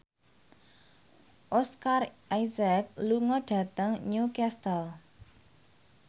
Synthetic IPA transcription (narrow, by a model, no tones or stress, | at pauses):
ʔɔskarajzɛk̚luŋɔɖ̥ä̤t̪əŋɲukɛst̪əl